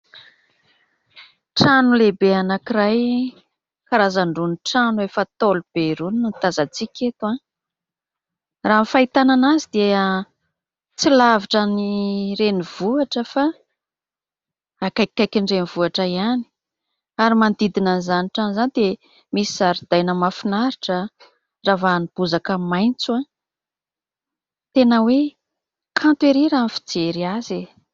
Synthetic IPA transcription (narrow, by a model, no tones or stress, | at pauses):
ʈ͡ʂanulebeanakiraj | kaɾazaɳɖ͡ʐunʈ͡ʂanuefət̪olub̥eɾunnit̪azat͡sikʲʰet̪ua | raːmfait̪ananazid̪eə | t͡silaviʈ͡ʂanireniv̥uaʈ͡ʂəfa | akajkʲːajkʲiɳɖ͡ʐeniv̥uaʈ͡ʂajani̥ | aɾimand̪id̪inanizaniʈ͡ʂanizanid̪e | misiz̥aɾid̪̥ajnəmafinaɾiʈ͡ʂə | ravanib̥uzakəmajnt͡sua | t̪enəwe | kʰant̪weɾiɾanfi̥d͡zeɾiaze